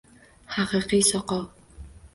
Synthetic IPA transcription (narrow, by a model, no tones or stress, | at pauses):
ħaqiːqiːsɔqɔʁ